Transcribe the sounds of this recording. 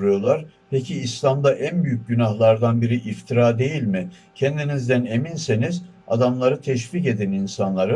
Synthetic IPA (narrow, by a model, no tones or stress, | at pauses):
ɾujo̞lˠaɾ̥ | pʰecʰiːslʲamd̪aʔænbyjyc̚ɟynahlˠaɾd̪anbiɾiʔift̪ʰiɾaːd̪e̞jilʲmɪ | cʰɛnd̪inizd̪æne̞minseniz | a̰d̪amlˠaɾɯt̪ʰɛʃ̬viːce̞d̪ɛninsanlˠaɾɯ